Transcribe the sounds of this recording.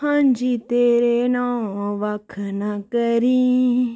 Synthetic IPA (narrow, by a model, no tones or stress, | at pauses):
ɦãɲd͡ʒit̪eɾenãʋakʰnakəɾĩ